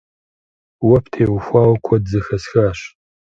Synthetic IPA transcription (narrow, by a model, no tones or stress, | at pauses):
wɐpʰtʰeːwfʷaːwkʷʰɔdzɨxɐsxaːɕ